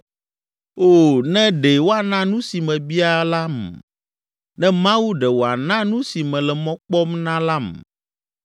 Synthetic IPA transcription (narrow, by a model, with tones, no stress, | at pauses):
o˦˨nɛ̃˦ɖe˨wo˦a˨nã˦nũ˦si˨mɛ̃˨bi˦a˦˨la˦m˨ | nɛ̃˦mã˦wu˦ɖɛ˨wo˨a˨nã˦nũ˦si˨mɛ̃˨lɛ˨mɔ̃˦k͡pɔ˦mnã˦la˦m˨